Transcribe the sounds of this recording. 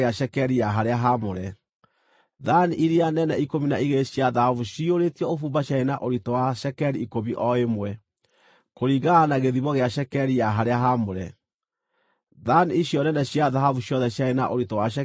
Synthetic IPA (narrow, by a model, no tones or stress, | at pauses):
eaʃɛkɛɾijaɦaɾeaɦamoɾɛ | ðaniʔiɾianɛnɛikominaiɣeɕjaðahavuʃioɾetiɔofuːmbaɕjaenaʔoɾitɔwaʃɛkɛɾiikomiʔɔemwɛ | koɾiɣaanaɣeðiβɔɣeaʃɛkɛɾijaɦaɾeaɦamoɾɛ | ðaniiɕjɔnɛnɛɕjaðahavuʃjɔðɛɕjaena̰ʔoɾitɔwaʃɛ